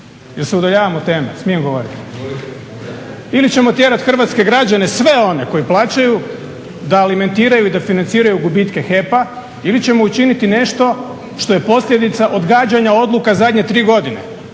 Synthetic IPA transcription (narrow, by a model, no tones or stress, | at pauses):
jelseud̪aʎaːʋamot̪e̞ːmesmije̞mɡo̞ʋo̞ɾit̪i̥ | ilit͡ɕe̞mo̞t̪je̞ɾat̪xr̩ʋat̪ske̞ɡɾad͡ʑane̞sʋe̞o̞ne̞ko̞jiplˠaːt͡ɕaju | d̪aːlime̞nt̪iːɾajuid̪afinant̪siːɾajuɡubit̪ke̞xe̞pa | ilit͡ɕe̞mo̞ut͡ʃinit̪ine̞ʃt̪o̞ | ʃt̪o̞je̞po̞slʎʲje̞d̪it̪saʔo̞d̪ɡaːd͡ʑaɲao̞d̪lukazad̪ʲɲet̪ɾiːɡo̞d̪ine̞̰